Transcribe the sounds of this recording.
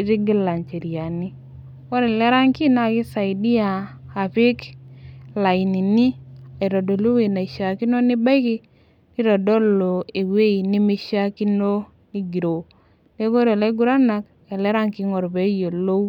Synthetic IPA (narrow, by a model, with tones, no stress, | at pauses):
ɾi˦ɡi˦la˨nt͡ʃe˨ɾi˨a˨ni˦ | wa˦ɾe˨le˦ɾa˦ŋki˦na˦˨ki˦sa˨i˨di˦aː˨ | pɪ˦k | la˨i˨ni˨ni˦a˨ɾo˨do˨lu˦we˨na˨i˨ʃa˨ki˦no˦ni˦ba˦jki˦ | ni˦ɾɔ˨dɔ˦lo˨e˨we˦i˨ni˦mi˦ʃa˦ki˦no˦ | ni˦ɡi˨ɾo˨ | ne˦ko˦ɾe˨le˦ɡu˨˦ɾa˦na˨k | e˨le˦ɾa˦ŋki˦ŋo˨ɾbe˨˦je˨lo˦